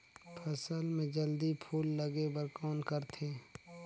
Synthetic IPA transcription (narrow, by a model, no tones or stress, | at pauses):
pʰəsəlmẽd͡ʒəld̪ipʰuːlːəɡebəɾkɔːnkəɾt̪ʰeː